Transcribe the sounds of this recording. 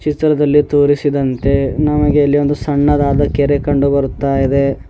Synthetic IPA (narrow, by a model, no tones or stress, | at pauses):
t͡ʃit̪ɾɐd̪ɐlːit̪uːɾisid̪ɐnt̪e̞nɐmɐɡe̞ɐlːio̞nd̪usɐɳːɐd̪aːd̪ɐkɛɾekɐɳɖubɐɾut̪ːaːjid̪e̞